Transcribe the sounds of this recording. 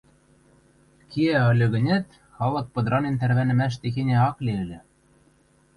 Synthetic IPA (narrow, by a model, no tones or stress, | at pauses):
kʰiæɤ̆lʲø̆ɣɘ̆nʲæt̪ | xɑlɤ̆k̚pɤ̆d̪ɾɑnent̪ærβænɘ̆mæʃ̬t̪exenʲæɑkleɘ̆lʲɘ̆